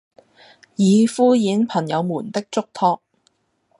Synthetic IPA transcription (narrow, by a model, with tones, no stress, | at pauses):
jiː˨˧fuː˥jiː˨˥npʰɐ˨˩njɐ˨˧wmuː˨˩nt̪ɪ˥k̚t͡sʊ˥k̚t̪ʰɔː˧k̚